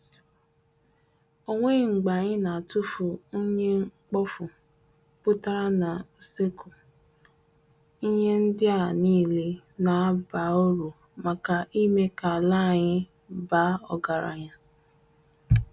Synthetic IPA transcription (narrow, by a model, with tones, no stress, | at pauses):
o˦ŋʷe˦˨ŋ͡m̩˨ɡ͡ba˨ɲɪ˦na˨tʊ˦fu˨o˦ɲe˦ŋ͡m̩˦k͡pɔ˦fʊ˨ | pʊ˦ta˦ɾa˦na˨se˦ko˨ | i˦ɲe˦n̩˦dɪ˦a˦˨niː˦˨le˦ | na˨a˦ba˨o˦ɾu˨ | ma˨ka˨ʔi˦me˦ka˨a˨la˦˨ɲɪ˦ | ba˦ɔ˨ɡa˨ɾa̰˨ɲa˦